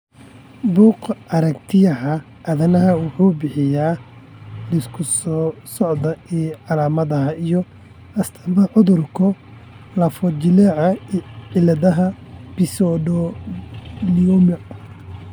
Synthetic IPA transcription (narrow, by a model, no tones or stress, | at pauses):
buːqɐɾɐkt̪ʰɪjɐɦɐ | ʔɐðɐnɐɦɐwʊħuːbɪħɪjaː | lɪskʰʊsɔsɔʕd̪ɐiʕɑlaːmɐðɐɦɐijɔ | ɐst̪ʰɐbɐʕʊðʊrkʰɔ | lɐfɔd͡ʒɪlɛʕɐʕɪlɐðɐɦɐb̥ɪsɔɖɔ | liɔmɐ